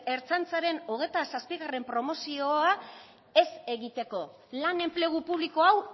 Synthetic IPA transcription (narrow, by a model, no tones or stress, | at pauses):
e̞ɾt͡sant͡saɾe̞noɣe̞t̪asaspiɣare̞mpɾo̞mo̞sio̞a | e̞se̞ɣit̪e̞ko̞ | lane̞mple̞ɣ̞upuβ̞liko̞aw